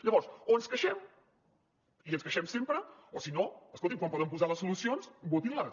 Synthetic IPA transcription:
ʎəβɔɾsoənskəʃɛm | iənskəʃɛmsempɾəosinoəskolˠt̪imkwampɔðəmpuzaləsːulusionsbut̪ila

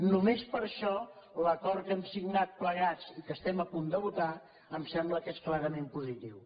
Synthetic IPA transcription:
numespəɾʃɔləkɔɾtkɛmsiɡnat̪̚pləɣ̞at͡sikəst̪ɛməpund̪əβut̪a | əmsɛmbləkesklaɾəmempuzit̪iw

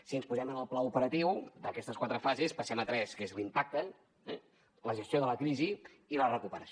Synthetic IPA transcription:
siənspuzɛmənəlˠplaupəɾət̪iwd̪əkɛst̪əskwat̪ɾəfazespəsɛmət̪ɾɛskezlimpak̚t̪ə | ɛ | ləʒəst̪joðələkɾiziː | lərəkupəɾəs

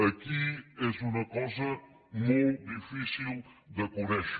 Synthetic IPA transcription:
ɐkiɛzunɐkɔzɐ | mowd̪ifisilˠ | d̪ɐkonɛʃ

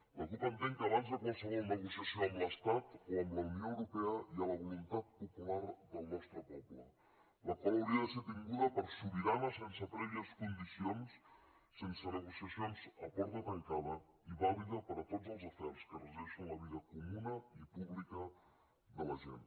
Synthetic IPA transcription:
ləkipənt̪eŋkəːβanzðəkunsəɣiɾnəɣusəsjionləst̪at̪ənlɐunijoəwɾupɛəiələβulunt̪at̪̚pupulaɾðəlˠnɔst̪ɾəpɔplə | ləkɔləuɾiəðəset̪iŋɡuðəpəɾsuβiɾaləsensət̪ɾɛʎəskund̪isions | sensənəɣusjəsionzəkɔɾðət̪əŋkaðə | iβaliðəpəɾət̪ozəlˠzəfɛɾskərəzɛʃənləβiðəkumunəipuβlikə | ðələʒḛn

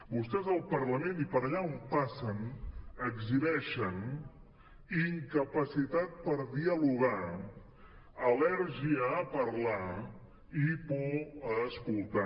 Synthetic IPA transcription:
bust̪ɛzəlˠpəɾləmenipəɾəʎaompasənəɡziβɛʃən | iŋkəpəsit̪at̪̚pəɾðiəluɣ̞a | əlɛɾʒiəːpəɾla | ipɔəskulˠt̪a

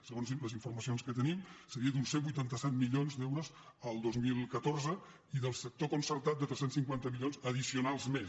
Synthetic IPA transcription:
səɣonziləziɱfurməsionskət̪ənimsəɾiəd̪unsembujt̪ant̪əsɛt̪miʎonzd̪ɛwɾoz | əlˠd̪ozmilˠkət̪orzə | iðəlˠsək̚t̪okunsərt̪at̪̚d̪ət̪ɾɛsensiŋkwant̪əmilʎonzəð̞isiunalˠzmes

